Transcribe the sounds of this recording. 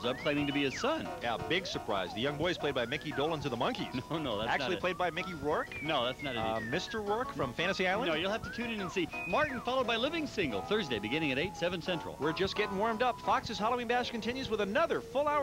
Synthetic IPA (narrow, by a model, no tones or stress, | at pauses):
zʌp̚kʰl̥ẽɪ̃mɪ̃ŋtɨbiɨsʌ̃njæ̰bɪɡsə˞pʰɹ̥a̰ɪzðɨjʌ̃ŋbɔɪɨz̥pʰl̥eɪd̚baɪmɪkidoʊlˠə̃nzʌðəmʌ̃ŋkḭznoʊnoʊðætæknt͡ʃʉl̩ˠil̥eɪd̚baɪmɪkiɹɔ˞knoʊðætsnɨɾmɪstə˞ɹɔɹkfɹʌ̃ɱfæ̃ɾ̃tɨsiaɪlˠə̃noʊjɨl̩ˠhæftɨtʰʉ̃nɨ̃nɨ̃nsimɑɹʔn̩fɑlˠoʊd̚baɪlɪvɪ̃ŋsɪ̃ŋɡl̩ˠθɜ˞zdeɪbɨɡɪ̃ñɪ̃ŋɨɾeɪtsɛvɨ̃nsɛ̃nt͡ʃɹ̥̰l̩ˠwəɹd͡ʒʌsɡ̥ɛɾɪ̃ŋwɔɹmdʌpfɑksɨz̥hɑlˠəʊĩnbæʃkɨ̃n̩tʰɪ̃njʉzwəðənʌðə˞fʊlˠaʊə